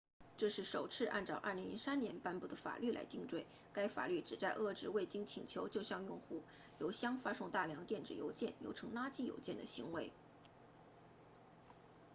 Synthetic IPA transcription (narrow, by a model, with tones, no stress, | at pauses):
ʈ͡ʂɤ˥˧ʂɻ̩˥˩ʂo˨˩ʊt͡sʰɹ̩˥˧ʔa˥˧nʈ͡ʂɑ˥˧ʊʔə̰˥˩li˧˥ŋlḭ˧˥sa˥njɛ˧˥npa˥˧npu˥˩d̪ə˩fa̰˨˩ly˥˩lʔa̰˧˥ɪt̪i˥˧ŋʈ͡ʂwe˥˩ɪ | ka˥ɪfa̰˨˩ly˥˩ʈ͡ʂɻ̩˨˩t͡sa˥˧ɪʔɤ˥˩ʈ͡ʂɻ̩˧˥we˥˩ɪt͡ɕi˥ŋt͡ɕʰi˨˩ŋt͡ɕʰjo˧˥ʊt͡ɕjo˥˧ʊɕjɑ˥˧ŋjʊ˥˧ŋxu˥˩ | jo˧˥ʊɕjɑ˥ŋfa˥ʂʊ˥˧ŋt̪a˥˩ljɑ˧˥ŋt̪jɛ˥˩nʈ͡ʂɻ̩˨˩jo̰˧˥ʊt͡ɕjɛ˥˩njo̰˧˥ʊʈ͡ʂʰɤ˧˥ŋla˥t͡ɕi˥˩jo̰˨˥ʊt͡ɕjɛ˥˩nd̪ə̰˩ɕi˧˥ŋwe˧˥ɪ